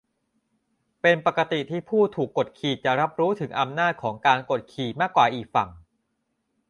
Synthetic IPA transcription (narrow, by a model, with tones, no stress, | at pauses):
pe˧npa˨˩ka˧t̪i˨˩t̪ʰiː˥˩pʰuː˥˩t̪ʰuː˨˩kːo˨˩t̪̚kʰiː˨˩t̪̚t͡ɕa˨˩ɾa˦˥p̚ɾuː˦˥t̪ʰɯ˩˦ŋʔa˧mnaː˥˩t̪̚kʰɔː˩˦ŋkaː˧nko˨˩t̪̚kʰiː˨˩t̪̚maː˥˩kːwaː˨˩ʔiː˨˩k̚fa˨˩ŋ